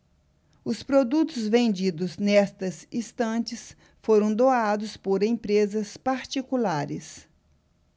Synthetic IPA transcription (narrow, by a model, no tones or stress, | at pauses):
ʊspɾod̪ut̪ʊzvẽnd͡ʒid̪ʊznɛst̪ɐzist̪ɐ̃t͡ʃɪs | foɾɐ̃w̃d̪oad̪ʊspoɾẽj̃pɾezɐspaɾt͡ʃikulaɾɪs